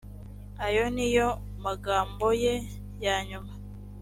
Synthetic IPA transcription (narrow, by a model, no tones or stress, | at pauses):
ajo̞nijo | maɡaːmbo̞je | jaɲuma